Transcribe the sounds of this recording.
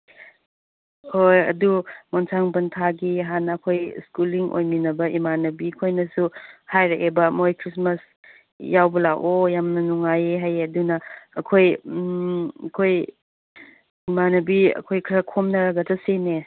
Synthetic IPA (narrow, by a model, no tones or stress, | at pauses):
hojɐ̰dumɔnsʰaŋbɐntʰaɡiɦanːɐːkʰojskuliŋʔo̰jminɐbɐʔimanɐbikʰojnɐsuhajɾaʔebɐmojkʰɾismɐs | jawbɐlaɡojamnɐnuŋajɦajɐdunɐːkʰoj | kʰoj | imanɐbiɐ̰kʰojkʰɾɐkʰomnɐɾɐɡɐtɐsene